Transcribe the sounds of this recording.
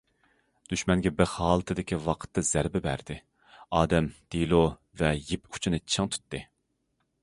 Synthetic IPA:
d̪̥yʃmɛnɡʲɛbɪɾhɑːlˠɨt̪ʰɨd̪ɪkʲiwɑqʰə̥t̪ːɑz̥æɾbɪbæ̰ɾd̪ɪ | ɑːd̪ɛmd̪̥ilˠo | vɛjipu̥t͡ʃʰinɨt͡ʃʰɨŋt̪ʰy̥t̪ːɨ

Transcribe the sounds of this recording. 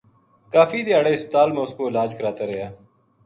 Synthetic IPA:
kaːfiːd̪eːaːɽeːɪspət̪aːlmẽːʊskoːɪlaːd͡ʒkəɾaːt̪aːɾəɦjaː

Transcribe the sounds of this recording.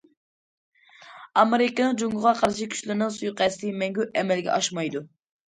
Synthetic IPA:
ɑmeɾɪkʲɑnɨŋd͡ʒoŋɡʊʁɑqʰɑɾʃ̬ikʲʰy̥ʃlɪɾnɨŋsujqʰɛst̪imɛŋɡʲyɛmɛlɡʲɛ̰ʔɑʃmɑjd̪u

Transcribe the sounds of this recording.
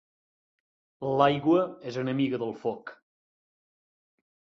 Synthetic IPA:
lajɣwəezənəmiɣəðəlˠfɔk

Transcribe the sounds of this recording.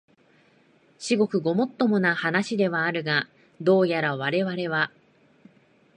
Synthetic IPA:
ɕiɡo̞kɯ̟ɡo̞mo̞t̪ːo̞mo̞nahanaɕid̪e̞βaːɾɯ̟ɡa | d̪o̞ːjaɾaβ̞aɾe̞βaɾe̞βa

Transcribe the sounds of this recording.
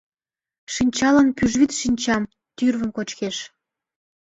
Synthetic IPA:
ʃinʲt͡ɕɑlənpyʒβit̪ʃinʲt͡ɕɑm | t̪yrβə̆mkot͡ɕkeʃ

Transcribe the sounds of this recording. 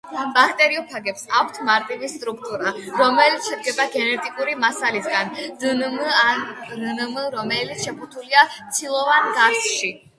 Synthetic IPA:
bakʰt̪ʼɛɾiɔpʰaɡɛpsakʷʰt̪ʰmaɾt̪ʼivist̪ʼɾuk̚ʰt̪ʼuɾaɾɔmɛlit̪ʰʃɛd̪̚ɡɛbaɡɛnɛt̪ʼikʼuɾimasalisɡand̪nanmɾɔmɛlit̪sʃɛput̪ʰuliat̪sʰilˠɔvanɡasʃi

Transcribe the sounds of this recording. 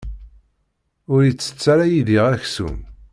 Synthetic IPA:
ʊɾjit͡sːə̥t͡sːaɾajiðiʁæçsṵm

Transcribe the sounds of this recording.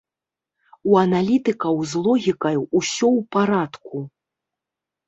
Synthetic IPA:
uɐnalʲit̪ɨkɐwzlˠɔɣʲikɐjuusʲɔwpaɾat̪ku

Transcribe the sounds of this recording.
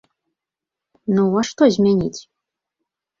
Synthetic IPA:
nuɑʃt̪ozʲmʲenʲitʲ

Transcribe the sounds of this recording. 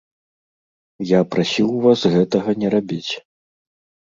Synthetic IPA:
japɾasʲiwvasɣɛt̪ɐɣɐnʲɛɾabʲit͡sʲ

